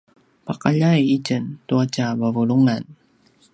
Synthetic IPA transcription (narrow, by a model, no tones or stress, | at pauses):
paqaʎajicəntuacavəvuɭuŋan